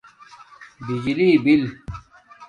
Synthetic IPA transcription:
bid͡ʑliːbil

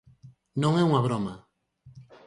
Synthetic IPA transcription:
nõŋeuŋaβ̞ɾoma

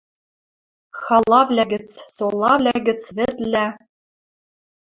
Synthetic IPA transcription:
xɑlˠːɑvlʲæɡʲɘ̆t͡ssolˠːɑvlʲæɡʲɘ̆t͡svɘ̆t̪lʲæ

